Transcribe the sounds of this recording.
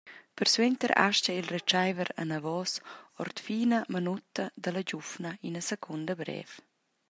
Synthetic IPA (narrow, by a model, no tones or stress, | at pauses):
pəɾswent̪əɾa̰ʃcəilret͡ʃajvəɾa̰navɔsɔ̰ɾt̪fiːnamənut̪ɐd̪əlaɟufnainəsəkʰund̪əbɾɛ̰ːf